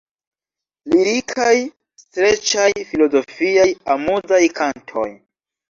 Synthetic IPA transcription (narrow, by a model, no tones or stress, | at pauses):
liɾikʰaj | stɾe̞t͡ʃajfilo̞zo̞fiajamuzajkʰantʰo̞̰j